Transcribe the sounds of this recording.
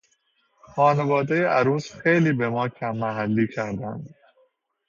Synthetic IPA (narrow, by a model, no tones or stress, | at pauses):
xɒːnevɒːd̪ejeʔæɾuːsxejliːbe̞mɒːcʲʰæmːæɦælːiːcʰæɾd̪ænd̪̥